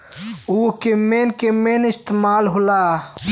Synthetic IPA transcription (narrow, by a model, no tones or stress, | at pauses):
ukemeːnkemeːnɪst̪emaːlɦola